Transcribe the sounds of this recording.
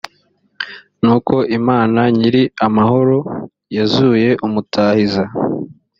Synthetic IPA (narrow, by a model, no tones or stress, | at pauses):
nuːkʰo̞ʔimaːnaɲiɾiamaɦo̞ɾo̞ | jazuːje̞ʔumutʰaːhiza